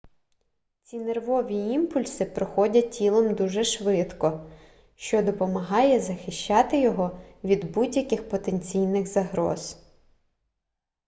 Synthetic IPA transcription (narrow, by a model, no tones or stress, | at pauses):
t͡sʲinerʋɔʋʲiimpʊlʲsɪpɾɔxɔdʲɐtʲilˠɔmd̪uʒɛʃʋɪt̪kɔ | ʃt͡ʃɔd̪ɔpɔmɐɦɑjɛzɐxɪʃʲt͡ʃːɑt̪ɪjɔɦɔʋʲid̪budʲjɐkɪxpɔt̪enʲt͡sʲijnɪɣzɐɦɾɔ̰z̥